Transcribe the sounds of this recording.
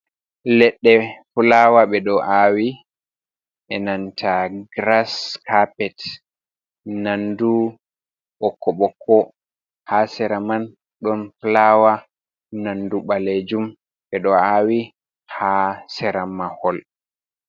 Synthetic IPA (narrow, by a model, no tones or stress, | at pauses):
lɛɗːɛfulawaɓɛɗɔʔawi | ʔɛnantʰaɡɾaskapɛt | nandu | ɓɔkʰːɔɓɔkʰːɔ | hasɛɾaman | ɗɔnflawa | nanduɓaled͡ʒum | ɓɛɗɔawi | hasɛɾamahɔl